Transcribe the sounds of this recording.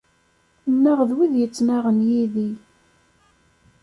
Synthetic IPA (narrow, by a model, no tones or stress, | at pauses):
ənːæʁðwiðjət͡sːnaʁənjiði